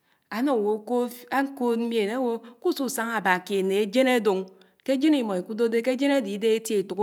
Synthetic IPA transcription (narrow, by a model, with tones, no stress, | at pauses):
a˨no˦˨wo˨ko˦a˦ŋ̩˦ko˦tm̩˦m˦e˨na˦wo˦ku˦su˦˨sa˦ŋa˨ba˨ki˨e˨ne˨e˦d͡ʒe˦ne˦do˨ŋ | ke˦d͡ʒe˦ni˨mɔ˨i˨ku˦do˦de˦ke˦d͡ʒe˦ne˦˨di˨˦de˦e˦tje˦i˨tu˨k